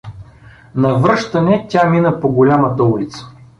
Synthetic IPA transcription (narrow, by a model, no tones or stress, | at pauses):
nɐvɾɤʃt̪ɐnɛtʲaminəpoɡolʲamət̪ɐulit̪sə̥